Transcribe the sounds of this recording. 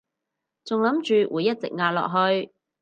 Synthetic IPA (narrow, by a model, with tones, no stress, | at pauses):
t͡sʊ˨ŋlɐ˨˥mt͡ʃyː˨wʔuː˨˧jːɐ˥t̚t͡sɪ̰˨k̚ŋaː˧t̚lɔ̰ː˨k̚ɦɵ˧ɥ